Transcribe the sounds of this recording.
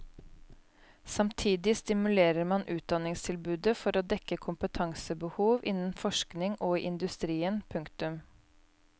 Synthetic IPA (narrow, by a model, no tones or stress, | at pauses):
sɑmt̪ʰiːd̪ɪst̪ɪmʉleːɾəɾmɑnʔʉːt̪̚d̪ɑnɪŋst̪ʰɪlbʉːd̪əfɔɾoːd̪ɛkəkʰʊmpət̪ʰɑŋsəbəhuːʋʔɪnn̩fɔʃknɪŋʔoːʔɪnd̪ʉst̪ɾiːənpʰʉŋkt̪ʉm